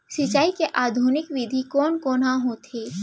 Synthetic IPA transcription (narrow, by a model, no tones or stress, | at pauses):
sɪt͡ʃaːikeʔaːd̪ʱunɪkʋɪd̪ʱikɔːnkoːnɦãɦot̪ʰeː